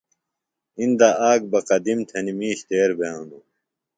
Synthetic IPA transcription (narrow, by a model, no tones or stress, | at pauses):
ind̪aʔaːɡ̚bɐqɐd̪imt̪ʰɐnimiːɕt̪eːɾbeːũnd̪u